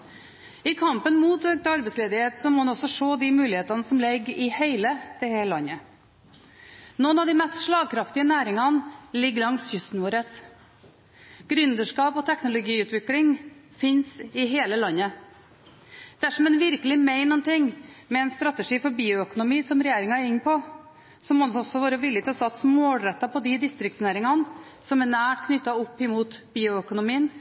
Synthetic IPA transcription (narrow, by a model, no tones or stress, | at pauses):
ɪkʰɑmpənmuːt̪øːɡ̚t̪ɑɾbɛɪtsleːd̪ɪheːt̪sɔmɔːhɑnɔsɔʂoːd̪ɪmʉːlɪheːt̪ɑnəsɔmlɛɡɪheɪləd̪̥ɛhɛlɑnːə | nɔnɑd̪ɪmɛst̪ʂɭɑːɡ̚kʰɾɑft̪ɪənæːɾɪŋɑnlɪɡːlɑŋsçʏst̪n̩ʋoːɾəs | ɡ̥ɾʉnd̪əʂkɑːpɔt̪ʰɛknʊlʊɡiːʉːt̪ʋɪklɪŋ | fɪnsɪɦeːləlɑnːə | d̪̥ɛæʂɔmɛnʋɪɾkəlɪmeɪnnɔnt̪ɪŋːmɛɛnst̪ɾɑt̪əʂiːfɔɾbiːʊœkʊnʊmiːsɔmɾɛjeːɾɪŋɑæɾɪnːpʰɔ | sɔmɔd̪ɔsɔʋɑːɾəʋɪlːət̪ʰlɔsɑt̪smoːlɾɛt̪ːɑpʰɔd̪ɪd̪ɪst̪ɾɪk̚t̪snæːɾɪŋɑn | sɔmænæːʈkʰnʏt̪ːɑɔpːɪmuːt̪biːʊœkʊnʊmiːən